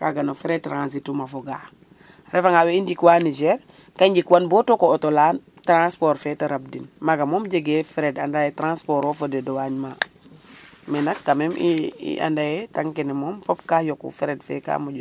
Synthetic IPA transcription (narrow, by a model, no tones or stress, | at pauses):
ka̰ɡanofiɾetɾãns̬itːumafoɡa | ɾʔefaŋaweindikwanid͡ʒɛɾ | kaɲɟikwanbotokootola | tɾãnspoɾfetaɾab̚dinmaɡamomɟeɡefɾedandajetɾãnspoɾofodedowaɲma | menakːamemiḭʔa̰ndajetaŋkenemomfopkajokṵfiɾedfḛka̰muɟ